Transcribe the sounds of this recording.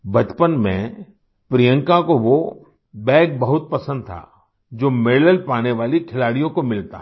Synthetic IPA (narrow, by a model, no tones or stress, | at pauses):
bɐt̪pənmḛ̃ | pɾijə̃ŋkakoʋo | bɛːkbɐɦʊt̪̚pɐsə̃nd̪̚t̪ʰa̰ː | d͡ʒoːmeːləlpaːneʋaːlikʰɪlaːɽijõkomɪlt̪aɦ